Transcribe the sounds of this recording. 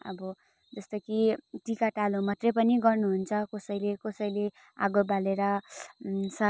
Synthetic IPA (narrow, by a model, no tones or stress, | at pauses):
ʌ̰bʌ | d͡zʌst̪ʌkiʈikaʈalomʌt̪rʌpʌniɡʌrnuɦunt͡sʰʌkʌsʌjlekʌsʌjle | a̰ɡobaleɾʌ | sʌ